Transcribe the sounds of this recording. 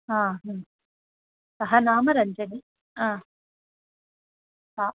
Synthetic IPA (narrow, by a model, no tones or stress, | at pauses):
aːɦɐ̃ː | sɐɦɐnaːmɐɾɐɲd͡ʒɐni | ãː | aː